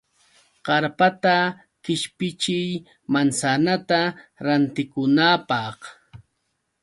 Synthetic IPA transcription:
ɢ̥ɑɾpat̪a | kɪʃpɪt͡ʃɪj | mansanat̪aɾant̪ɪkʊnaːpɑχ

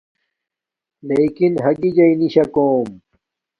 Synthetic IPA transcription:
leːkinɦɐɡid͡ʑɐiniɕɐkoːm

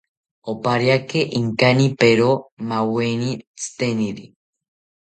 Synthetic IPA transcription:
opaɾjakeʔiŋkanipeɾomawenit͡sɨ̥t̪eniɾi

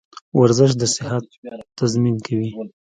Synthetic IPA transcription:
waɾzəʃ̬d̪əsɪhat̪ːazminkʰawi

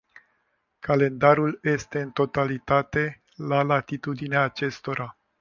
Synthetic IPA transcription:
kale̞nd̪aɾulje̞st̪e̞ɨnt̪o̞t̪alit̪at̪e̞ | lalat̪it̪ud̪ineaːt͡ʃe̞st̪o̞ɾa

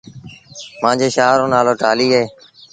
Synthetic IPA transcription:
mãːd͡ʒeːʃaːɾõːnaːloːʈaːliːəɦeː

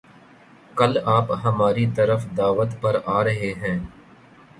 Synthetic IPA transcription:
kɐlaːpɦɐmaːɾit̪ɐɾəfd̪aːʋət̪pɐɾaːɾɐɦeɦɛ̃ː

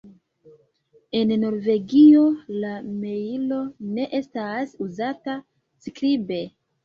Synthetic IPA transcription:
e̞nno̞ɾve̞ɡio̞lame̞ilo̞ne̞ʔe̞stasuzata | skɾibe̞

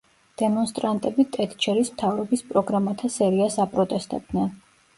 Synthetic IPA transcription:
d̪̥ɛmɔnst̪ʼɾant̪ʼɛbit̪ʼɛt̪ʰʼt͡ʃʰɛɾismt̪ʰavɾɔbispʼɾɔɡɾamat̪ʰasɛɾiasapʼɾɔt̪ʼɛst̪ʼɛb̚d̪nɛn

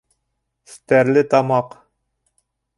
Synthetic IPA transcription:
st̪æɾlɘt̪ɑmɑq

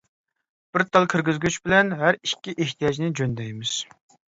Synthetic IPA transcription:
b̥ɪɾt̪ʰɑlˠkʲʰɪɾɡʲizɡʲyt͡ʃbɪlɛnɦæɾikʲːiʔeht̪ʰijɑd͡ʒnɪd͡ʒønd̪ɛjmɪz̥

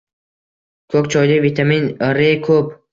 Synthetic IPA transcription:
kʰɵkʲt͡ʃʰɒjd̪avit̪ʰaminɾekʰɵp

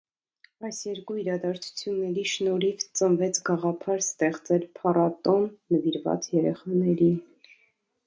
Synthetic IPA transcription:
ɑjsjɛɾkuiɾɑd̪ɑɾt͡sʰu̥t͡sʰjunːɛɾiʃnɔɾivt͡sənvɛt͡sʰɡɑʁɑpʰɑɾst̪ɛχt͡sɛlpʰɑrɑt̪ɔnːəviɾvɑ̰t͡sjɛɾɛχɑnɛɾin

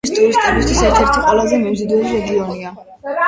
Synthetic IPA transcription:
st̪ʼuɾist̪ʼɛbist̪ʰisɛɾt̪ʰɛɾt̪ʰɔqʼwɛlˠazɛmɛmzɔd̪ɛliɾɛɡiɔnia

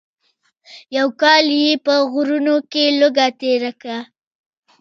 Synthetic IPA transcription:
jawkɑljepəɣʊɾunokelʊɡat̪eɾaka

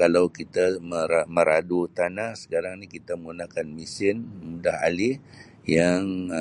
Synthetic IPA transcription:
kalawkit̪aməɾamə̃ɾadut̪anasə̥kaɾaŋnikit̪aməŋɡunakanmisɪnmudaha̰lih | jaŋ

